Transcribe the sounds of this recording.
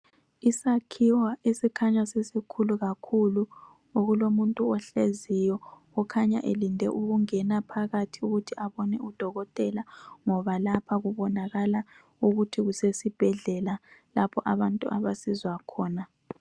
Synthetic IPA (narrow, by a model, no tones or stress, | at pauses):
isakʰiwaʔesikʰaɲasesikʰuluɣakʰulu | oɣulomuntʼuɔɬezijɔ | ɔkʰaɲa̰ʔḛlindʱɛ̰ʔuɣuŋɛnapʰaɣatʰiuɣutʰiaβɔnɛud̥ʱɔɣɔtʼɛlaŋɔβalapʰaɣuβɔnaɣala | uɣutʰiɣusesib̥ʱɛɮɛlalapʰɔʔaβantʼṵʔaβasizwakʰɔːna